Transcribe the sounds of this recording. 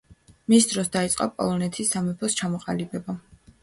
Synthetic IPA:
misd̪ɾɔsd̪ait̪sʼqʼɔ̰pʼɔ̰lˠɔnɛt̪ʰisːamɛpʰɔst͡ʃʰamɔqʼalibɛba

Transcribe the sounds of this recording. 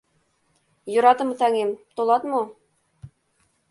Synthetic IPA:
jŏɾɑt̪ɤ̆mɤ̆t̪ɑŋemt̪olˠɑt̪mo

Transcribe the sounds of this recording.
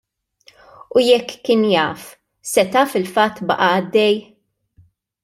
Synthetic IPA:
ujɛkːɪːnjɐːf | sɛt̪ɐfɪlfɐt̪ːbɐ̰ʔɐɐd̪ːɛj

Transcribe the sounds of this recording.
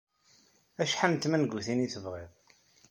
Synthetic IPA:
æʃħant̪ːmænɡuθiniθəvʁiðˤ

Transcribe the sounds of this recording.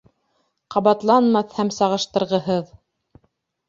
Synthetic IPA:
qɑβɑt̪lˠɑnmɑθhæmsɑʁɤ̆ʃt̪ɤ̆ɾʁɤ̆ɦɤð

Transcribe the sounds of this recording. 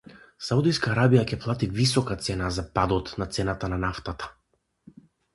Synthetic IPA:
saud̪ijskaːɾabijacɛplˠat̪ivisɔkat̪sɛnazapad̪ɔt̪nat̪sɛnat̪ananaft̪at̪ḁ

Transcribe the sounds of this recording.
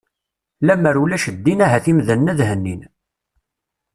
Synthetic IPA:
læməɾulæʃəd̪ːinæɦæθimðənːæðɦənːin

